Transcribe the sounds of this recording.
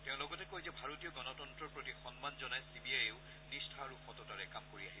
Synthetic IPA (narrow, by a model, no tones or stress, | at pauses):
teʊ̃lɔɡɔtɛkojzɛbʱaɹotijɔɡɔnɔtɔntɹɔɹpɹotixɔnmanzɔnajsibiajeʊ | nistʰaɹuxɔtɔtaɹɛkamkoɹiaɦi